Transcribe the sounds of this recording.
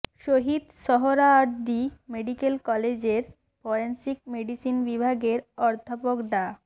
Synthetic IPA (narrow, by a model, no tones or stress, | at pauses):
ʃoɦid̪ʃɔɦoɾaɔɾd̪imeɖikelkɔled͡ʑeɾ | fɔɾensik̚meɖisinbibʱaɡeɾɔɾd̪ʱapokɖa